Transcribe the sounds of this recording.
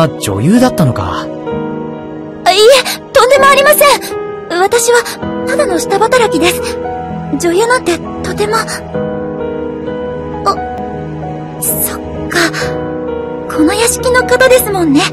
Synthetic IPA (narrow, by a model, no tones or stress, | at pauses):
d͡ʑo̞̰jɯ̟ːd̪at̪ːano̞ka̰ | iet̪õ̞nd̪e̞mo̞aɾʲimasẽ̞ɰ | βat̪aɕiβanad̪ono̞ɕi̥t̪abat̪aɾakʲid̪e̞sɨ̥ | d͡ʑo̞jɯ̟ːnãnt̪ːe̞ | t̪o̞t̪e̞mo̞ | o | so | kːa | kʰo̞no̞jaɕi̥kʲino̞kat̪od̪e̞sɨmõ̞nːe̞